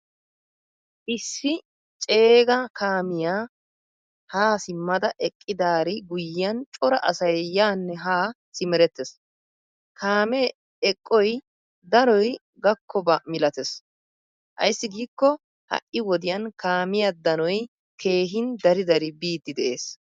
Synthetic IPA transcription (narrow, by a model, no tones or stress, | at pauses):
ʔɪsːɪ | t͡ʃʼe̞ːɡɐkʰaːmɪjaː | haːsɪmːɐd̪ɐʔɛkʼːɪd̪aːɾɪɡʊjɪɐnt͡ʃʼɔɾɐʔɐsɐjːaːnːɛɦaː | sɪmɛɾɛt̪ːɛs | kaːmɛ | ɛkʼːɔj | d̪ɐɾɔj | ɡɐkʰːɔbɐmɪlɐt̪ɛs | ʔɐ̰jsːɪɡiːkːɔ | hɐ̰ʔɪwɔd̪ɪjɐnkaːmɪjad̪ɐnɔj | ke̞ːɦɪnd̪ɐɾɪd̪ɐɾɪbiːd̪ːɪd̪ɛʔeːs